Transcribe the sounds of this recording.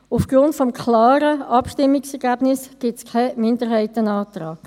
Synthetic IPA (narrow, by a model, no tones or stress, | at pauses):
ufɡ̥rʊntfɔmkʰlaːɾəɑpʃtɪmːɪksɛɾɡɛbnɪsɡ̥ɪtskʰamɪndəɾɦaɪtənaːt̪raːɡ